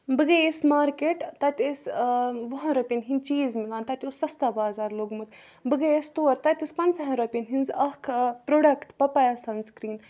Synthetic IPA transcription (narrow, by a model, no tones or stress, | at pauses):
bɨɡɐesmaːɾkeːʈt̪ɐt̪ʲesʋɐɦɐ̃ɾopʲinɦinʲt͡ʃiːzmiɡaːnt̪ɐt̪ʲosɐst̪aːbaːzaːɾloːɡmɨt̪ | bɨɡɐest̪oːɾt̪ɐt̪ʲispɐnt͡sɐɦɐ̃ɾɐpʲinɦinzɐkʰpɾoːɖɐkʈpɐpɐjasɐnskɾiːn